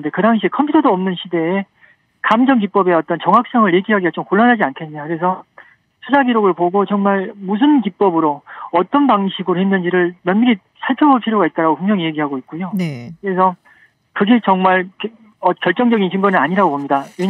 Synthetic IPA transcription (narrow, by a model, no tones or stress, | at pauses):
de̞kɯdaŋɕ̬ʰikʰʌmpʰutʰʌdoʌmnɯnɕʰide̞ː | kamd͡ʑʌŋk̬ip͈ʌbe̞ʌt͈ʌnt͡ɕʌŋɦak̚s͈ʌŋɯɭje̞ɡiɦaɡiat͡ɕomkoɭːʌnɦad͡ʑiankʰe̞nɲakɯɾe̞sʰʌ | sʰud͡ʑaɡiɾoɡɯɭpoɡot͡ɕʌŋmaɭmus̬ʰɯnkip͈ʌbɯɾoʌt͈ʌnpaŋɕʰiɡɯɾohenːɯnd͡ʑiɾɯɭmjʌnmiɾi | sʰaɭpʰjʌboɭpʰiɾjoɡait̚t͈aɾaɡopuŋmjʌŋije̞ɡiɦaɡoit̚k͈ujokɯɾe̞sʰʌ | kɯɡe̞t͡ɕʌŋmaɭk | ʌkjʌɭt͡ɕ͈ʌŋd͡ʑʌɡint͡ɕɯŋɡʌnɯnaɲiɾaɡobomɲidaje